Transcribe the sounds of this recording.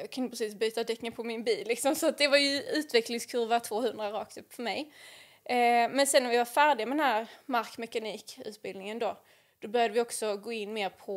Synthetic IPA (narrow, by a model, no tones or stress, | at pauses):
ɑkʰɵnəpʰɾɛsiːsbyːt̪ad̪ɛkːŋənpʰɔmɪnbiːllɪksɔmsɔat̪̚d̪ɛvaɾjɵʉ̟ːt̪vɛklɪŋskʰɵɾvat̪ʰvoːhɵnd̪ɾaɾɑːk̚t̪ɵpfœɾmɛj | mɛnsɛnːaɾvɪvafæːɖɪɡamɛd̪ɛnɦæɾmaɾkmɛkaniːkʉ̟ːt̪̚bɪlnɪŋənd̪oː | d̪̥ɔbœɾjad̪əvɪɔksɔɡoːɪnːmeːɾpʰɔ